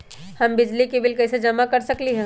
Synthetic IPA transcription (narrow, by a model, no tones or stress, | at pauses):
hɐmbɪd͡ʒlikibɪlkɛːsed͡ʒɐmakɐɾsɐkliɦɛ̃ː